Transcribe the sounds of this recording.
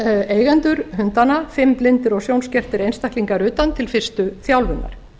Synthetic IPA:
eːjɣɛnt̪ʏɾ̥hʏnt̪anafɪmplɪnt̪ɪɾɔɣsjownscɛr̥t̪ɪɾejnst̪ahkliŋkaɾʏːt̪ant̪ʰɪlfɪr̥st̪ʏθjawlvʏnːa̰ɾ̥

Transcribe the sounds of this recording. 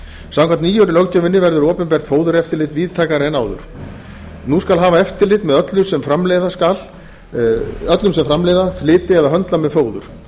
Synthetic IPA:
sawkʰant̪niːjœɾɪlɔwɣc̪ʏvɪnːɪvɛɾðʏɾɔːpɪnpɛr̥t̪foːwðʏɾɛft̪ɪɾlɪt̪viːðt̪ʰajkaɾɛnaːwðʏ̰ɾ̥ | nuskalɦaːvaɛft̪ɪɾlɪt̪mɛðœt̪lʏsɛmfɾamleːjðaskal | œt̪lʏmsɛmfɾamleːjðaθlɪːt̪ɪɛðaɦœnt̪lamɛðfoːwðʏ̰ɾ̥

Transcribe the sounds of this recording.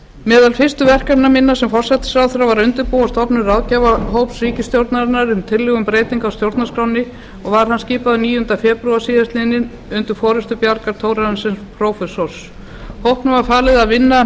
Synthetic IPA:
mɛːðalfɪr̥st̪ʏvɛr̥kapnamɪnːasɛmfɔr̥sɛt̪ɪ̥sawθɾavaɾʏnt̪ʏɾpowast̪ɔpnʏɾaðcavaɦowpsriːcɪst̪jowɾt̪naɾɪnːaɾʏmt̪ʰɪlːɪɣʏmpɾeːjt̪iŋkawst̪jowɾt̪naskɾawnːɪ | ɔɣvaɾ̥hansciːpaðʏniːjʏnt̪afɛːpɾʏḁsiːðast̪ɪnːɪn | ʏnt̪ʏɾfɔːɾʏst̪ʏpjaɾkaɾ̥t̪ʰoːwɾaðnsɪnspʰɾowfɛsɔɾ̥s | howhpnʏmvaɾfaːlɪðaðvɪnːa

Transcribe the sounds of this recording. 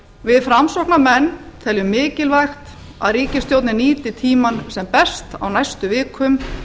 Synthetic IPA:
vɪðfɾamsɔwknamɛnːt̪ʰɛlʏmːɪːcɪlvajxt̪ | a̰ðriːcɪst̪jowt̪nɪniːt̪ɪt̪ʰiːmansɛmpɛst̪a̰wnajst̪ʏvɪːkʰʏm

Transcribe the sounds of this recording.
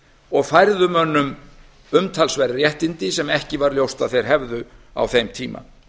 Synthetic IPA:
ɔɣfajɾðʏmœnːʏm | ʏmt̪ʰalsvɛɾaɾjɛht̪ɪnt̪ɪsɛmɛhcɪvaɾljowst̪aðθejɾ̥ɦɛvðʏa̰wθejmt̪ʰiːma̰

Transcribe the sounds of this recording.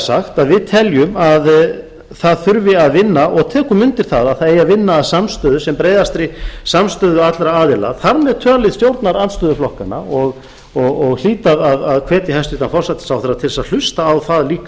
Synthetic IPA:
saxt̪aðvɪðt̪ʰɛljʏmað | θaðθʏɾvɪaðvɪnːaʔɔɣt̪ʰɛːkʏmʏnt̪ɪɾ̥θaðaðθaðejavɪnːaːðsamst̪œːðʏ̥sɛmpɾeːjðast̪ɾɪsamst̪œːðʏat̪laɾaaːðɪla̰ðθaɾmɛðt̪ʰœːlɪðst̪jowɾt̪naɾanst̪œːðʏflɔhkana̰ɔɣ | ɔɣɔɣl̥iːt̪aðaðaðkʰvɛːt̪jɪhɛst̪ɾiːt̪anfɔr̥sat̪ɪ̥sawfθɛɾat̪ʰɪlsaðl̥ʏst̪aːwθaðliːka

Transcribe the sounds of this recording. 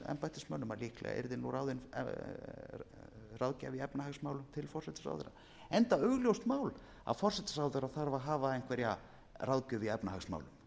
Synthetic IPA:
ɛ̰mpajt̪ɪsmœnʏmaɾliːhklɛ̰ɣa̰ʔɛ̰ɾðɪnuraːwðɪn̰ | rawðcavɪɛpnahaksmawlʏmt̪ʰɪlfɔrsɛt̪ḁsa̰wðʏ̰ɾa̰ | ɛnt̪aœɣljowst̪maːwl | a̰ðfɔr̥sɛt̪ḁsawðʏɾaθaɾvaɦaːvaejnŋkʰvɛɾja | raðcʏvɪɛpnaaxsma̰wlʏm

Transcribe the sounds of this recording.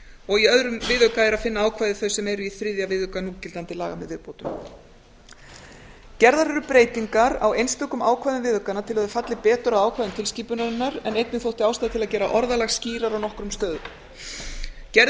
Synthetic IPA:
ɔɣiœðɾʏmvɪðʏkaɛɾaðfɪnːaaːwkʰvajðɪθœɥsɛmɛɾʏiθɾɪðjavɪðʏkanuːcɪlt̪ant̪ɪlaːɣamɛ̰ðvɪðpowt̪ʏm | cɛɾðaɾɛɾʏpɾejt̪iŋkaɾa̰wejnst̪œːkʏmaːwkʰvajðʏnvɪːðʏkanat̪ʰɪlaðʏfat̪lɪpɛːt̪ʏɾawaːwkʰvajðʏmt̪ʰɪlsciːpʏnaɾɪnːaɾɛnejt̪nɪθowht̪ɪaːwst̪aðɪt̪ʰɪlaðcɛːɾa̰ʔɔɾðalaɣsciːɾaɾawnɔhkɾʏmst̪œːðʏ | cɛɾ

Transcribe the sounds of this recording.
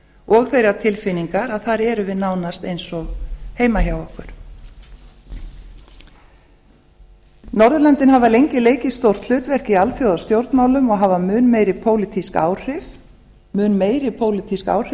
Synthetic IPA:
ʔɔɣθejɾat̪ʰɪlfɪniŋkaɾaðθaɾɛɾʏvɪðnaːwnast̪ejnsɔɣheːjmahawɔhkʏɾ̥ | nɔɾðʏlɛnt̪ɪnhavalejɲcɪleːjcɪ̥st̪owr̥t̪l̥ʏːt̪vɛr̥cialθjowðast̪jowɾt̪nmaːwlʏmɔɣɦavamʏːnmeːjɾɪpʰoːwlɪt̪ʰiska̰ːwr̥ɪf | mʏːnmeːjɾɪpʰoːwlɪt̪ʰiska̰ːwr̥ɪ

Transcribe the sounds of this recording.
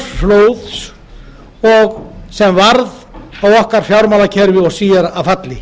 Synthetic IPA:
floːwðs | ɔɣsɛmvaɾð | awɔhkaɾ̥fjawɾmaːlacʰɛɾvɪɔɣsiːjaɾaðfat̪lɪ

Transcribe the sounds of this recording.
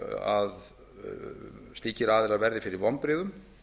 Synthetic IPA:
a̰ð | st̪iːcɪɾaːðɪɾaðvɛɾðɪfɪɾɪɾvɔmpɾɪːðʏm

